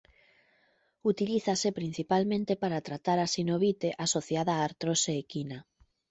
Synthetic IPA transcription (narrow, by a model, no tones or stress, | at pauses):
ut̪iliθasepɾin̟θipalmẽnt̪epaɾat̪ɾat̪aɾasinoβit̪eʔasoθjaðaːɾt̪ɾoseːkina